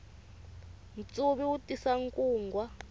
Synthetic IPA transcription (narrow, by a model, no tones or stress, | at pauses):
n̩t͡sʼuβiwutʼisaŋkʼuːŋɡʱwa